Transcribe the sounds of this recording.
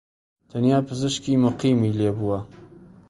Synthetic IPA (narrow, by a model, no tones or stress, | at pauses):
t̪ʰanjaːpʰɨzɨʃkiːmʊqiːmiːleːbuwɐ